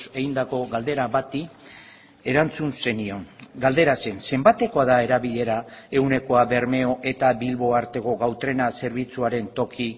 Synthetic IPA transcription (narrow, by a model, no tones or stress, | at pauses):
se̞ɣind̪ako̞ɣald̪e̞ɾaβat̪i | e̞ɾant͡sunse̞nio̞ŋɡald̪e̞ɾase̞nse̞mbat̪e̞ko̞aðae̞ɾaβiʎe̞ɾae̞wne̞ko̞aβe̞ɾme̞o̞ʔe̞t̪aβilβo̞aɾt̪e̞ko̞ɣawt̪ɾe̞nase̞ɾβ̞it͡suaɾe̞nt̪o̞kʰi